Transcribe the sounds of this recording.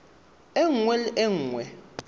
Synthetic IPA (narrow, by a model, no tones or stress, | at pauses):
eŋ̩ŋwɛlɪʔeŋ̩ːwɛ